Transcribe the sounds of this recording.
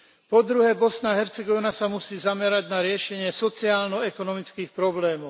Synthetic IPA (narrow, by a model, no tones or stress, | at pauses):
pɔd̪ɾuɦɛbɔsnaɦɛɾt͡sɛɡɔʋnasamusiːzamɛɾaɟnaɾɪɛʃɛɲɪɛsɔt͡siaːlnɔɛkɔnɔmit͡skiːxpɾɔblɛːmɔʊ